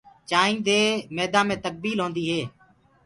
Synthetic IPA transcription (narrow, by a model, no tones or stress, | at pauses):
t͡ʃaːĩːd̪eːmeːd̪ãːmẽːt̪ək̚biːlɦõːnd̪iːɦeː